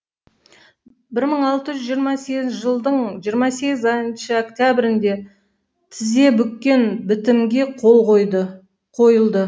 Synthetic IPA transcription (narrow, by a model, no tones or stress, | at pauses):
bɪɾməɴɑlˠt̪əʒʏzʒijəɾmɑseɡʲɪnʒəlˠd̪əɴʒijəɾmɑse̞ɡʲɪzɑjnʃəokt̪ʲjabɪɾɪnd̪e̞ | t̪ʰɪze̞bʏkʲkʲːe̞nbɪt̪ɪmɡʲe̞qolˠoj̪ | qʰojəlˠd̪ə